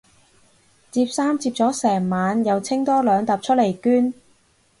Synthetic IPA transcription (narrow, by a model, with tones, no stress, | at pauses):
t͡siː˧p̚saː˥mt͡siː˧p̚t͡sɔː˨˥sɛː˨˩ŋmaː˨˧njɐ˨˧wt͡sʰɪ˥ŋt̪ɔː˥lœː˨˧ŋt̪ɐ˨p̚t͡ʃʰɵ˥t̚le˨˩jkyː˥n